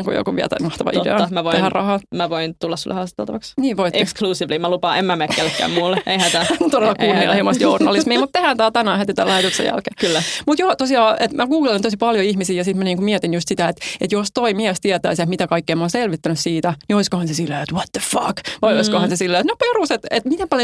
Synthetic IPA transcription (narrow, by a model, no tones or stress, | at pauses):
ŋkṵjo̰kuʋḭɛ̰lt̪æ̰mɑht̪ɑʋɑ̰ḭdḛɑmæʋot̪ehærrɑhɑmæʋoint̪ulːɑsṵlːḛhɑst̪t̪ːḛlt̪ɑʋɑksniːʋoitʔekskluːsiʋlimælupɑʔemːæmekkkelːekːæ̰ːmmulːeihæt̪æt̪oɾelːɑkunːiɑ̰lhemost̪journɑlissmiːmut̪t̪ːehænt̪æːt̪ænæhæt̪et̪ælæhet̪yksḛjæ̰lkeːkylːæmut̪joːt̪osiɑːʔet̪mækuːɡlelint̪osipɑljoihmisiːjɑsit̪mæniːŋkumiɛt̪injust̪sit̪æet̪et̪jost̪oimiɛst̪iɛt̪æ̰iset̪mit̪ækɑikːeːmɑːnselʋit̪ːænyssiːt̪ænioiskohɑnsesilːeet̪wɑt̪ðəfɑkʋɑjoiskohɑnsesilːeet̪noperuset̪et̪mit̪empɑljo